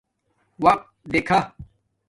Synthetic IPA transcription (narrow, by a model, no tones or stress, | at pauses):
wɐq̚t̪d̪eːkʰa